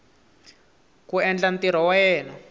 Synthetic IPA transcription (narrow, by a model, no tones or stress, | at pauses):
kuɛnd͡ɮant̪iɾ̤ɔwajjɛːnɔ